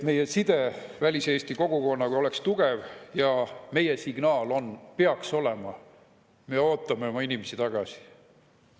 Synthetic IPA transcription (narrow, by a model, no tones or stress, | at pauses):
me̞jesid̪̥e̞vælʲise̞ːst̪iko̞ɡ̥uko̞nːɑkujo̞le̞kst̪uɡ̥e̞vjɑme̞jesiɡ̥nɑːlo̞npeɑkso̞le̞mɑ | meo̞ːt̪ˑːɑmeo̞mɑinimesit̪ɑɡ̥ɑsi̥